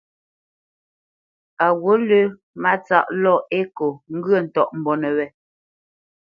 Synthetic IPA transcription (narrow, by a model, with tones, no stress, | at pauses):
a˨ɣwo˨˦lʉ˦ | ma˦t͡sa̰˦˨ʔlɔ˦˨e˦ko˨ŋ̩˦ɡə˦˨n̩˨tɔ˨ʔm̩˨bɔ˨nɛ˨wɛ˨